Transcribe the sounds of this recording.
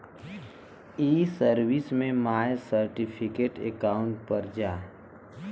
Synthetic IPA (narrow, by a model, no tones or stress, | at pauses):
iːsəɾʋɪsmẽmaːjsəɾʈipʰɪkeʈḛkaːʊ̃ɳʈ̚pəɾd͡ʒaː